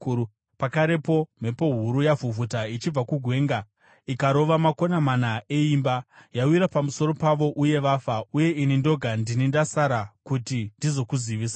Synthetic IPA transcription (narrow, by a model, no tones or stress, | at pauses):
pakaɾe̞po̞m̤e̞po̞ɦuɾujavuvʱutait͡ʃib͡vakuɡʱwe̞ːŋɡa | ikaɾo̞ʋamako̞namanaʔe̞imbajawiɾapamuso̞ɾo̞paʋo̞ʔuje̞ʋaːfauje̞inindo̞ɡʱandinindasaɾakutindizo̞kuziʋiːsa